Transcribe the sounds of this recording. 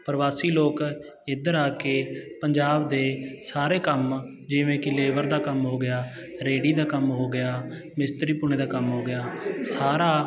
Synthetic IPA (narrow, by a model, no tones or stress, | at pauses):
pəɾʋaːsiːloːk | ɪd̪əɾaːkeːpəɲd͡ʒaːbd̪eːsaːɾeːkəm | d͡ʒɪʋẽːkɪleːʋəɾd̪aːkəmɦoːɡɪjaː | ɾeːɽiːd̪aːkəmɦoːɡɪjaː | mɪst̪ɾiːpuñeːd̪aːkəmɦoːɡɪjaːsaːɾaː